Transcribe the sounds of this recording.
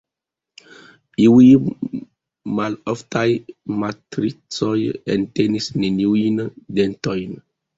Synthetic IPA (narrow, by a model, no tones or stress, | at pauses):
iwi | maloftajmatɾit͡sojḛntenisnenjuindentojn